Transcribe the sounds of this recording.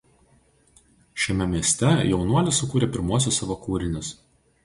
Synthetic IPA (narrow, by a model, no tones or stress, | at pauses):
ʃʲɛmʲɛmʲiɛsʲt̪ʲɛjɛʊnuɔlʲɪsʊkuːɾʲeːˑpʲɪɾmuɔsʲosɑʋokuːɾʲɪnʲɪs